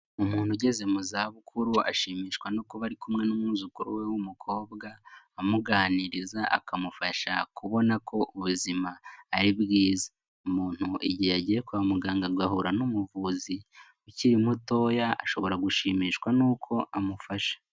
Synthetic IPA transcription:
umuːn̥huɟe̞ze̞muzaːβukʰuɾua̰ʃiːmiːʃkwanuːkoβaɾikumŋe̞numuːzukuɾuwewumukʰo̞ːβɡaː | muɡaːniɾizaa̰kʰamufaʃakʰuβo̞nakʰo̞ʔuβuzimaːɾiβɡiːzḁ | umuːn̥huʔiɟijaɟijekuβamuɡaːŋɡaɡahuɾanumuvuzi | uciɾimuto̞ːjaa̰ʃo̞βo̞ɾaɡuʃiːmiːʃkwanuːkʰo̞ʔamufaʃḁ

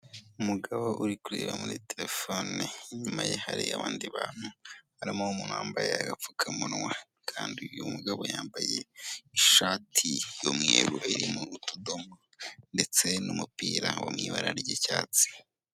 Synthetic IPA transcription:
umuɡaβo̞ʔuɾikuɾeːβamuɾiteɾefoniɲumajehaɾiaβaːndiβaːn̥hu | aɾimoumuːnhuaːmbajeaɡap͡fukʰamunwa | kʰaːndijumuɡaβojaːmbaje̞iʃaːtʰijomŋeːɾuiɾimuɾutodomo | nde̞t͡se̞numupiːɾawa̰mŋiːβaɾaɾɟecaːt͡si̥

